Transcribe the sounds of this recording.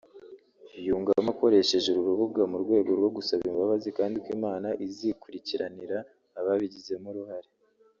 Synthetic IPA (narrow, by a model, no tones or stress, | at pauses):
juːŋɡamako̞ɾe̞ʃe̞ʒuɾuɾuβuɡamuɾɡwe̞ːɡo̞ɾɡwo̞ɡusaβimbaβazikaːndikwiːmaːnaʔizikuɾiciɾaniɾaː | βaβiɟize̞muɾuhaɾe